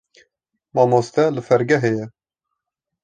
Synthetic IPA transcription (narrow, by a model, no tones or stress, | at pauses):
mɑmost̪ɛlɨfɛɾɡɛɦɛjɛ